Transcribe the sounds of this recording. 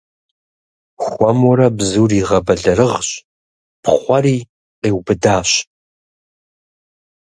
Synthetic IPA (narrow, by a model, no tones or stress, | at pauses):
xʷɔmɔɾɐbzuːriːʁɐbɐɮɐɾɨʁɕ | pχʷɐɾiː | qeːwbɨdaːɕ